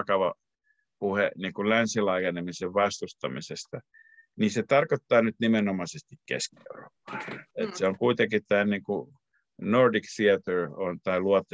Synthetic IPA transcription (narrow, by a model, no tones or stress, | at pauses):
kɑʋɑ | puhḛniːŋkulænsilɑijenemiseʋʋɑst̪ust̪ɑ̰misest̪ɑ | niset̪ɑrkot̪ːɑːnyt̪nimenomɑsest̪ikkḛskiḛuro̰pːɑ̥et̪seoŋkuit̪ekitt̪æːniːŋku | nordikθiɑt̪øront̪ɑiluɑt̪ː